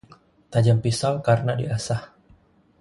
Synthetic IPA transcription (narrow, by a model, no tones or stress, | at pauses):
t̪ad͡ʒampisalkaɾənadiasah